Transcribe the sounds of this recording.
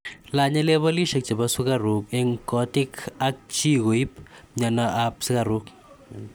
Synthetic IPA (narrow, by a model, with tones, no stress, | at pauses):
la˨ɲa˦le˦βɔ˦li˦ʃe˨˧k̚t͡ʃe˨basu˦kaɾu˨kɛ˦ŋkɔ˦ti˦ka˦k̚t͡ʃi˦ko˨i˦p̚ɲa˨naʔap̚si˦ka˨ɾu˦k